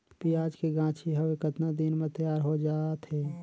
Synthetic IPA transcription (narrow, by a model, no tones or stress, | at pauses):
piaːd͡ʒkeɡãːt͡ʃʰiɦɐʋekət̪nad̪inmẽt̪əjaːɾɦod͡ʒaːt̪ɦɛː